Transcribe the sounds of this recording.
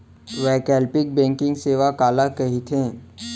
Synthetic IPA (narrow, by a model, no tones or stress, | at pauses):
ʋɛːkɛːlpɪk̚bɛ̃ːŋkɪ̃ŋɡseːʋakaːlakɐɦit̪ʰẽː